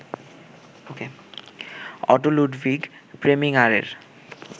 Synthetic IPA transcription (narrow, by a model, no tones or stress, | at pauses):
oke | ɔ̰ʈoluɖbiɡpɾemiŋaɾḛɾ